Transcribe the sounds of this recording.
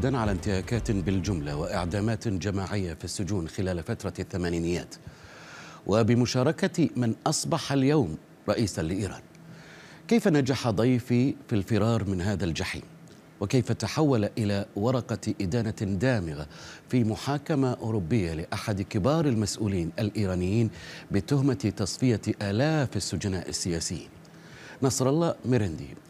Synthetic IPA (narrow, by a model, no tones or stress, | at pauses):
d̪anʕalant̪ɪhaːkaːt̪bɪld͡ʒʊmla̰wɪʔɪʕd̪aːmaːt̪d͡ʒamaːʕɪjːafisːʊd͡ʒuːnxɪlaːlfat̪ɾˤɑθːamaːniːnɪjːa̰ːt̪ | wʔabɪmʊʃɑːɾˤɑkamɪnʔɑsˤbɑħaljawm | ɾˤɑʔiːsanlɪʔiːɾˤɑ̰ːn | kajfanad͡ʒaħad̪ˤɑjfifilfɪɾɑːɾˤmɪnɦaːðald͡ʒaħḭːn | wɪkajfat̪aħawːalʔɪlawɑɾˤɑqɑʔɪd̪aːnad̪aːmɪɣafiːmʊħaːkamaʔʊːɾʊbːɪjːalɪʔaħad̪kɪbɑːɾˤɪlmasʔuːliːnʔalʔiːɾaːnɪjːiːnbɪt̪ʊhmat̪ɑsˤfɪjaʔaːlaːfasːʊd͡ʒanaːʔɪsːɪjaːsɪjːḭːn | nɑsˤɾˤɑlˤːɑːmɪɾɪnd̪ḭ